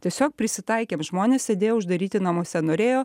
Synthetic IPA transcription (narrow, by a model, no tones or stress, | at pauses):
t̪ʲiɛsʲoːk̚pʲɾʲɪsʲɪt̪ɐɪkʲeːmʒmoːnʲeːsʲsʲed̪ʲeːjoːʊʒd̪ɐɾʲiːt̪ʲɪnɐmuɔsʲɛnoːɾʲeːjoː